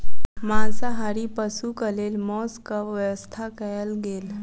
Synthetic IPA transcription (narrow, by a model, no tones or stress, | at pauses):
mãsaɦaɾipəsukəlelmɔskəəwəst̪ʰakəjəlɡeːl